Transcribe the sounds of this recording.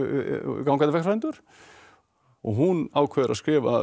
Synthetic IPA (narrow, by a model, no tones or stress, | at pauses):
k̬awŋkanɪvɛh̪fvajnt̪ʏɾ̥ | ɔ̰ɣɦunaːwkʰvɛːðɾa̰skɾɪːva̰